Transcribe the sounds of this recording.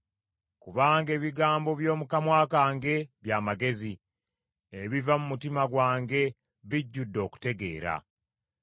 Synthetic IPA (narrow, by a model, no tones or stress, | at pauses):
kuβaːŋɡe̞ːβiɡaːmbo̞βjo̞ːmukamwaːkaːŋɡe̞βjaːmaɡe̞zi | eβivamumutimaɡwaːŋɡe̞ | βiɟːudːo̞ːku̥te̞ɡe̞̰ːɾa̰